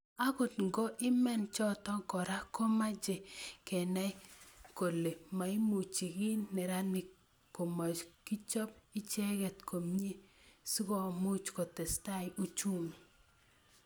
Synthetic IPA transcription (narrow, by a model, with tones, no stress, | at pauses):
a˦kʊ˨tŋɡo˦ʔɪ˦mɛ˦nt͡ʃɔ˦tɔ˦ŋkɔ˨ɾa˦ko˦ma˦d͡ʒe˨kɛ˨na˦jko˨le˨ma˨i˦mu˨t͡ʃi˨ki˦nːɛ˨ɾa˦nɪ˨k | ko˨mɔ˨t͡ʃki˦t͡ʃɔ˦pɪ˦t͡ʃɛ˦kɛ˨tkʰo˨mɲe˦su˦kɔ˦˨mu˦t͡ʃkɔ˨tɛ˨sta˦˨ju˦t͡ʃu˦ŋ